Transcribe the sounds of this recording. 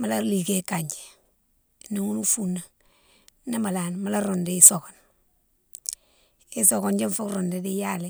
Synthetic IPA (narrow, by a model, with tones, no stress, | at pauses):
ma˨˦la˦li˨ke˦kaɲd͡ʒe̥˨ | ne˨ŋu˦nu˦funa˨ | na˦ma˨la˨nma˨˦la˦ɾo˨nde˨i˨so˨kɔ˨n | i˨sɔ˨kɔ˦nd͡ʒe˦ɱfu˦kɾo˨nde˨di˦ja˦le